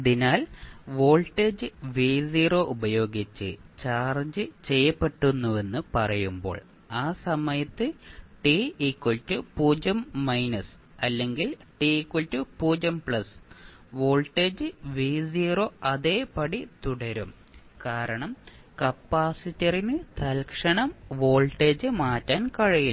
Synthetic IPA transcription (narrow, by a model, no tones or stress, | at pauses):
ɐðinaːlʋo̞ːɭʈːe̞ːd͡ʑɨʋiːsiːro̞ːʔubɐjo̞ːɡit͡ɕːɨ̰t͡ɕaːrd͡ʑɨt͡ɕe̞jːɐpːe̞ʈːunːuʋe̞nːɨpɐrɐjumbo̞̰ːɭ | aːsɐmɐjɐt̪ːɨʈiikːwɐɭtːɨpuːd͡ʑɐmːɐjnɐs | ɐlːe̞ŋɡilʈiikwɐltːɨpuːd͡ʑɐmpɭɐs | ʋo̞ːɭʈːe̞ːd͡ʑɨʋiːsiroɐðe̞ːpɐɽit̪uɽɐɾum | kaːɾɐɳɐmkɐpːaːsitːɐrinɨt̪ɐlkʂɐɳɐmʋo̞ːɭʈːeːd͡ʑɨmaːtːaːnkɐɻɐji